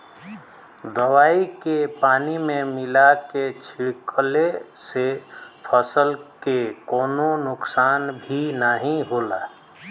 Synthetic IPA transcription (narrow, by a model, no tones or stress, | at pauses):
d̪əʋaːikepaːnimẽmɪlaket͡ʃʰɪɽkəlesepʰəsəlkekoːnonʊksaːnbʱinaɦĩɦoːlaː